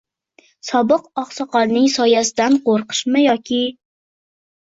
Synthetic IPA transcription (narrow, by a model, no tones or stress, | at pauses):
sɒbɨqɒqsɑqɒɾnɪŋsɒjasɪd̪anqoɾqʰɨ̥ʃmɪjɒkʲʰɪ